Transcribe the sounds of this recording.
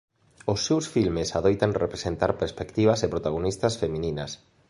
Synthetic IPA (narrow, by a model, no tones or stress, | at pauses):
ʊsːewsfilmesaðojt̪aŋrepɾesent̪aɾpeɾspekt̪iβ̞ɐsepɾot̪aɣ̞onist̪ɐsfemĩnĩnɐs